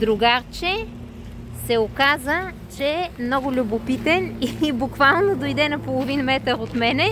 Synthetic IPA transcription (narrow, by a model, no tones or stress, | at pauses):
d̪ɾʊɡaɾt͡ʃɛ | sɛokazə | t͡ʃɛmnɔɡʊlʲʊbopit̪ɛniːbʊkvalˠnod̪ojd̪ɛnɐpolˠovinmɛt̪əɾot̪mɛnɛ